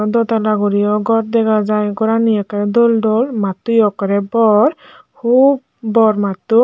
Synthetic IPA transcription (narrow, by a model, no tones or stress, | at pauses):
dɔt̪alaɡuɾijɔɡɔt̚dɛɡazajɡɔɹanijakaɹɛdɔldɔlmatujɔkaɾɛbɔɹ | kʰub̚ | bɔɹmatːu